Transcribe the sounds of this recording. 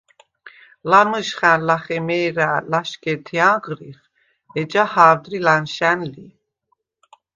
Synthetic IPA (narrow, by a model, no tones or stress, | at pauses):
lanɨʃχænlaχɛmɛːɾælaʃkʼɛt̪ʰiaqʼɾiχ | ɛd͡ʒahaːɾd̪ɾilanʃænli